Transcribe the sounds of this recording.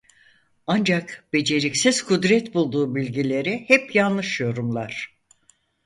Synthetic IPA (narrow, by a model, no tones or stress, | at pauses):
and͡ʒakb̥e̞d͡ʒe̞ɾicsiz̥kʰud̪ɾɛt̪bulˠd̪uːbilʲɟilʲe̞ɾihɛpjanˠlˠɯʃjo̞ɾumlˠaɾ̝̥